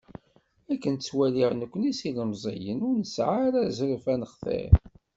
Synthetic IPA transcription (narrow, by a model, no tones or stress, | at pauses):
ækːənt̪t͡sːwæliʁnəkʷːənisiləmzˤḭjənʊɾnəsʕaɾæzɾəfænəχθḛɾ